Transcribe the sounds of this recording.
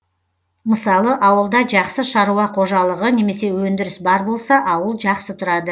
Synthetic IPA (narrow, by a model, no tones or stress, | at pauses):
məsɑlˠəʔɑwəlˠd̪ɑʒɑqsəʃɑɾuɑqʰo̞ʒɑlˠəʁəne̞me̞se̞wɵnd̪ɪɾɪsbɑɾbo̞lˠsɑʔɑwəlˠʒɑqsət̪ʰʊɾɑd̪ə